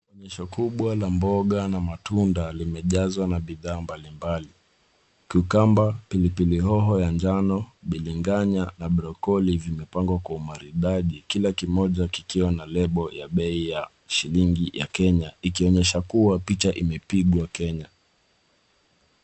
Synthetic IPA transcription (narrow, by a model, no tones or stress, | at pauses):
ɔɲɛʃɔkuɓwalambɔɠanamatundalimɛʄazwanaɓiðaːmbalimbali | kiukambapilipilihɔɦɔjand͡ʒanɔɓiliŋɡaɲanaɓɾɔkɔlivimɛpaŋɡwakwaumaɾiɗaʄikilakimɔʄakikiwanalɛɓɔjaɓɛija | ʃiliŋɡija̰kɛɲaikiɔɲɛʃakuwapit͡ʃaʔimɛpiɠwakɛɲa